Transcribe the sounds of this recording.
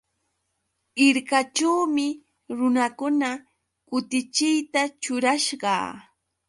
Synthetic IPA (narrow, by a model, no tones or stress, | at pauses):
ɪɾkat͡ʃawmɪ | ɾʊnakʊna | kʊt̪ɪt͡ʃɪjt̪at͡ʃʊɾaʃɢɑ̰ː